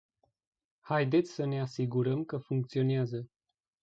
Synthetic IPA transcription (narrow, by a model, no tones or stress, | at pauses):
hajd̪e̞t̪sʲsəne̞asiɡuɾəmkəfuŋk̚t̪sio̞neazə